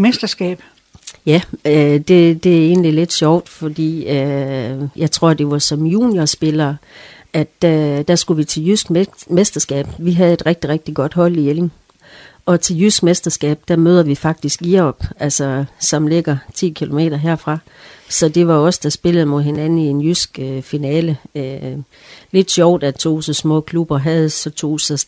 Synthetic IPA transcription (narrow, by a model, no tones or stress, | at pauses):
mesd̥ɐsɡ̥ɛ̰ːb̥ | jæød̥e̝d̥e̝æe̝ːnlile̝d̥ɕɒʊ̰d̥fɒ̽d̥ḭːø | jʔɑ̈ɪt͡sʰʁo̝ɐ̰d̥e̝ʋɑ̈sɒ̽mjuːniɐsb̥e̝lɐːʔæd̥d̥æsɡ̥uʋit͡sʰe̝ljysɡ̥mesd̥ɐsɡ̥ɛ̰ːb̥ʋiɦæð̞̩ˠe̝d̥ʁeɡ̥̚d̥iʁeɡ̥̚d̥iɡ̥ɒ̽d̥ɦɒ̽l̰iele̝ŋ | ɒ̽t͡sʰe̝ljysɡ̥mesd̥ɐsɡ̥ɛ̰ːb̥d̥æmøːð̞ˠɐʋifɑ̈ɡ̥̚d̥isɡ̥iɒb̥ælsɒsɒ̽mle̝ɡ̥ɐt͡sʰḭːkʰilo̝me̝̰ːd̥ɐɦe̝ɐ̰fʁɑ̈ | sɒ̽d̥e̝ʋɑ̈ɒ̽səd̥æsb̥e̝ləð̩ˠmo̝ðˠɦe̝nænn̩ie̝njysɡ̥øfinɛːləø | le̝d̥ɕɒʊd̥æt͡sʰo̝̰ːsɒsmɔ̰̽ːkʰlub̥ɐɦæð̞̩ˠsɒ̽t͡sʰo̝̰ːsɒ